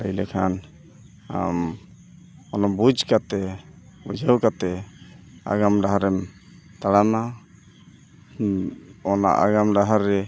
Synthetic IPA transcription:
əjlɛkʰan̰ | m | ɔnɔmbud͡ʒkat̪ɛbud͡ʒʱəwkat̪ɛ | a̰ɡamɖaɦaɾɛm | t̪aɽana | ɔna̰ʔa̰ɡamɖaɦaɾːɛ

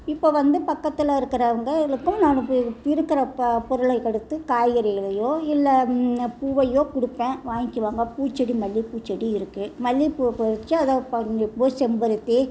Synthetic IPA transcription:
ɪpːoːʋɐnd̪ɯpɐkːɐt̪ːɪlaɪɾɯkːɪɾɐʋɐŋɡɐlɯkːʊ̃mnaːnɯ̃ɪɾɯkːɪɾɐpɔɾɯɭɐɪkɛɽɯt̪ːɯkaːjɐɾɐɣɐɭɐjoːɪlːɐpuːʋɐjoːkʊɽɯpːẽːʋaːŋɪkːɯʋaːŋɡɐpuːt͡ʃːɐɽimɐlːipuːt͡ʃːɐɽiɪɾɯkːɯmɐlːipːpɔɾɪt͡ʃːɯɐðɐːpɐɪpːoːsɛmbɐɾɯt̪ːe

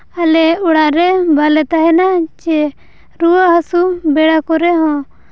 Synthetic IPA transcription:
alɛuɽaɾɛbalɛt̪aɦɛnat͡ʃɛ | ɾuaɦasubɛɽakɔɾɛɦɔ̃

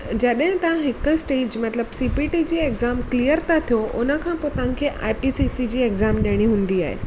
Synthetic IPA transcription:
d͡ʑɐɗɦɪ̃t̪ɐʋ̤ãɦɪkʊ̆sʈeːd͡ʑmɐt̪ləbsiːpiʈid͡ʑiːekzaːmklijəɾt̪ʰat̪ʰijoʔʊnə̆kʰãːpoːt̪ɐʋ̤̃kʰeʔa̰ːɪpisisid͡ʑiːeɡzaːmɗeɽ̃iɦũːn̆d̪iaːɦḛː

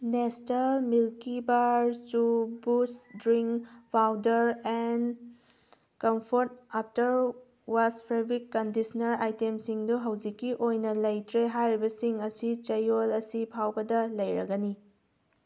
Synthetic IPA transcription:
nestelmilkibaɾt͡ʃubusdɾiŋkpʰawdɐɾen | kɐmpʰoɾt̚aptɐɾ | waspʰɾebikːɐndisɐnɐɾajtemsiŋduɦɐwd͡ʒikːiʔojnɐlɐjtɾeɦajɾibɐsiŋɐsit͡ʃɐjolɐsipʰawbɐdɐlɐjɾɐ̰ɡɐni

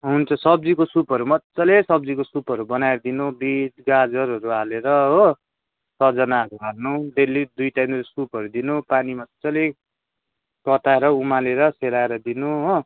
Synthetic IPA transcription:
ɦunt͡sʰʌsʌb̚d͡zikosupʌɾumʌt͡sːʌlesʌb̚d͡zikosupʌɾubʌnaeɾʌd̪inubitɡad͡zʌɾɦʌɾuɦaleɾʌɦo | sʌd͡zʌnaɦʌɾuarnud̪elːid̪ujtajnusupʌɾud̪inupanimʌt͡sʌle | kʌt̪aeɾʌumaleɾʌselaeɾʌd̪inuɦo

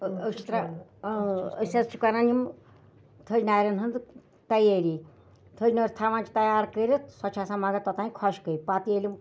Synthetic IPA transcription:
əkt͡ʃʰi̥t̪ɾa | əsast͡ʃʰikananim | t̪ʰəd͡ʒnaːjɾɐnɦənd̪ | t̪ɐjeːɾi | t̪ʰəd͡ʒnəɾʲt̪ʰaʋãːnt͡ʃi̥t̪ɐjaːɾkəɾisɔt͡ʃʰasãmaɡat̪ɔt̪ãːĩkʰɔʃkəipat̪ijelʲim

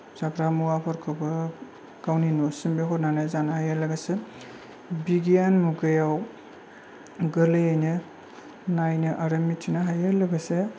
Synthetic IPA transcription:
zakɾamuwapʰaɾkʰɯbɐ | ɡ̥awninosimbeɦɔɾnanazanahajalɐɡɐse | biɡijanmuɡɯjaw | ɡɯlɯejnɯ | najnɯʔaɾɐmitʰinaɦajalɐɡɐse

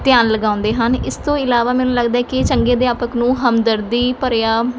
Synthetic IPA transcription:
t̪jaːnləɡãːʊ̃nd̪eːɦənɪst̪õːɪlaːʋaːmɛːnũːləɡd̪aːɛːkɪt͡ʃəŋɡeːd̪eːaːpəknũːɦəmd̪əɾd̪iːpəɾjaː

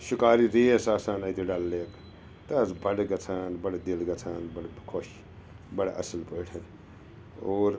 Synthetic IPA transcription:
sukaːɾiɾesaːsaːnɐt̪iɖalːeːk | t̪ɐd͡zbɐɽeɡɐt͡sʰaːnbɐɽad̪ilɡɐt͡sʰaːnbɐɽkʰoʃ | bɐɽaʔɐ̰silpəʈʰɐn | oːɾ

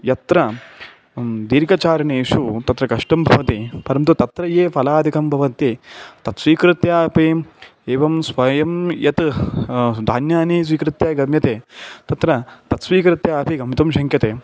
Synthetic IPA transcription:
jɐt̪ɾɐ | d̪iːɾkɐt͡ʃaːɾɐneːʃut̪ɐt̪ɾɐkɐʂʈɐmbʱɐʋɐt̪ipɐɾɐmt̪ut̪ɐt̪ɾɐjeːfʰɐlaːd̪ʱikɐmbʱɐʋɐnt̪it̪ɐt̪sʋiːkɾɪt̪jaːpieːʋɐmsʋɐjɐmjɐt̪ | d̪ʱaːnjaːniːs̬ʋiːkɾɪt̪jaːɡɐmjɐt̪eːt̪ɐt̪ɾɐt̪ɐt̪sʋiːkɾɪt̪jaːɐpiɡɐmit̪ɐmʃɐŋkʰjɐt̪eː

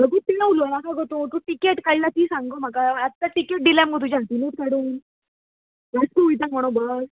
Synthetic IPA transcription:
bəɡut̪inaʋulonakʰaɡot̪ot̪uʈikeʈkəɭlat̪iːsãŋɡom̤akaːt̪ːaʈikeʈ̚ɖilamɡʱot̪̬ud͡ʑat̪inet̚kaɽuːn | ʋəskuujt̪ãkməɽ̃obəɾ

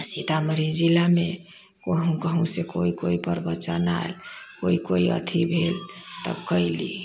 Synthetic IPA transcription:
sit̪aməɾid͡ʒilame | koɦũkəɦũsekoikoipəɾbətːt͡ʃana̰elkoikoiə̰t̪ʰibʱelt̪ə̰bkəilḭ

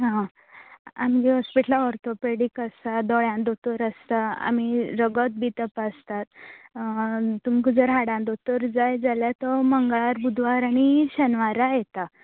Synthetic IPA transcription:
ɦã | a̰md͡ʑiɦɔspiʈlaɔɾt̪opeɽikəsad̪ɔɭjãnd̪ot̪əɾəst̪aa̰miɾəɡət̪̚bit̪əpast̪at̪̚ | t̪umkud͡zəɾɦaɽãnd̪ot̪əɾd͡zajd͡zaljat̪ɔməŋɡaɭaɾbud̪ʱʋaɾaɽ̃iɕənʋaɾajet̪a

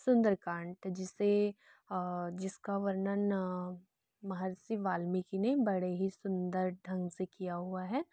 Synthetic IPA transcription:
sʊ̃nd̪əɾkãːɳʈd͡ʒɪse | d͡ʒɪskaʋəɾnən | mɐɦəɾsiʋaːlmikinebɐɽeɦisʊ̃nd̪əɾɖʱɐ̃ŋɡsekijaɦuaɦɛː

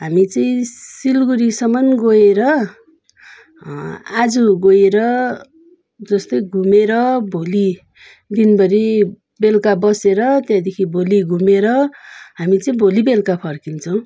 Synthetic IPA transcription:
ɦamit͡sʌĩsilɡuɾisʌmʌnɡoeɾʌ | ad͡zuɡojeɾʌ | d͡zʌst̪ʌjɡʱumeɾʌbʱoli | d̪inbʌɾi | belkabʌseɾʌt̪jãd̪ekʰibʱoliɡʱumeɾʌɦamit͡sʌĩbʱolibelkapʰʌrkint͡sʰʌw̃

